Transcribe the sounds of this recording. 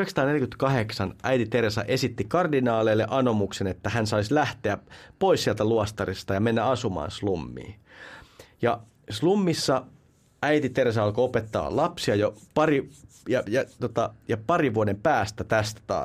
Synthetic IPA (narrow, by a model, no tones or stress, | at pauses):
yheksɑ̥t̪ɑːneljkyt̪kɑheksɑnʔæjt̪it̪ersɑ̰ʔesit̪ːikɑrdinɑːleːlːeʔɑnomuksenet̪ːæhænsɑislæht̪eæpoissiælt̪æluɑst̪ɑrist̪ɑjɑmenːæɑsumɑ̰ːnslumːḭː | jɑ | slumːisːɑ | æit̪it̪ersɑɑlkoopet̪ːɑ̰ːlɑpsiɑjopɑri | jɑjɑt̪ot̪ɑjɑpɑɾiʋuɑdempæːst̪æt̪æst̪æ̥t̪ɑ̰ː